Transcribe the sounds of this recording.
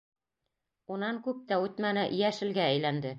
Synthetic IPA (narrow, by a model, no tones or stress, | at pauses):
unɑŋkʉp̚t̪æʉt̪mænɘʔjæʃɘ̆lɡææjlænd̪ɘ